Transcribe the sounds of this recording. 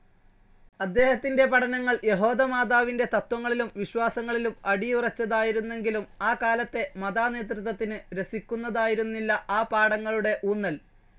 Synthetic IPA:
ɐd̪ːe̞ːhɐt̪ːinde̞pɐʈɐnɐŋːɐɭje̞ɦo̞ːðɐmaːd̪aːʋinde̞t̪ɐt̪wɐŋːɐɭilumʋiɕwaːsɐŋːɐɭilumɐɽijurɐt͡ɕːɐðaːjiɾunːe̞ŋɡilumaːkaːlɐt̪ːe̞mɐðaːne̞ːt̪rɨt̪ːɐt̪ːinɨɾe̞sikʲːunːɐðaːjiɾunːilːɐaːpaːɽɐŋːɐɭuɽe̞ʔuːnːɐl

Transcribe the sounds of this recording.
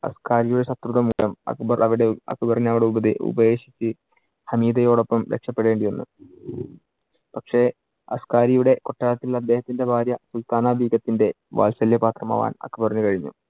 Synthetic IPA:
ɐ̰skaːɾijuɽe̞ɕɐt̪ruðɐmuːlɐmɐ̰kːubɐrʔɐʋiɽeɐ̰kːɨpɐrɐɲːɐʋiɽe̞ubɐðḭʔṵbɐje̞ːɕi̥t͡ɕːɨ | sɐmiːd̪ɐjo̞ːɽo̞pːɐmɾekʂɐpːe̞ɽe̞ːɳɖijonːṵ | pɐkʂe̞ | ɐ̰skaːɾijuɽe̞ko̞ʈːaːɭɐt̪ːilɐd̪ːe̞ːhɐt̪ːinde̞bʱaːɾjɐsult̪aːnaːbʱiːɡɐt̪ːinde̞ | ʋa̰ːlsɐljɐpaːt̪rɐma̰ːʋa̰ːnɐ̰kːɨpɐrɐɲːukɐɻiɲːṵ

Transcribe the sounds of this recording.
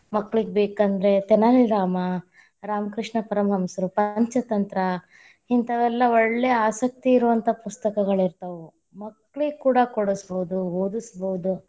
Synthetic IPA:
mɐkːɭiɡebeːkɐnd̪ɾe̞t̪ɛnaliɾaːmɐ | ɾaːmkɾiʂɳɐpɐɾɐmɡɐmsɐɾupɐɲt͡ʃɐt̪ɐnt̪ɾɐ | hint̪ɐd̪ɛlːɐɔɭːeaːsɐk̚t̪iːɾuʋɐnt̪ʰɐpust̪ɐkɐɡɐɭiɾt̪ɐʋu | mɐkːɭiɡkuːɽɐkoɽusboud̪uoːd̪isboud̪u

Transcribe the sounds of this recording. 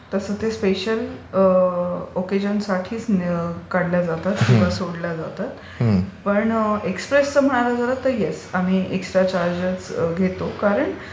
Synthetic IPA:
t̪əsət̪espeɕəl | oked͡ʑənsaʈʰiːt͡skaɽljad͡zat̪at̪kĩʋ̤asoɽljad͡zat̪at̪ | pəɳekspɾest͡səm̤əɽ̃aɾad͡zəɾat̪ːəjesam̤iːʔeksʈɾat͡ɕaɾd͡ʑət͡sɡʱet̪okaɾəɳ

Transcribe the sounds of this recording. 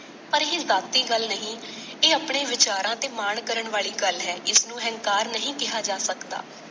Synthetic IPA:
pəɾɦeːzaːt̪ːiːɡəlnəɦĩːeːəpɳeːʋɪt͡ʃaːɾãːt̪eːmaːɳkəɾəɳʋaːɭiːɡəlɦɛːɪsnũːɦɛ̃ŋkaːɾnəɦĩːkɪɦaːd͡ʒaːsəkd̪a̰ː

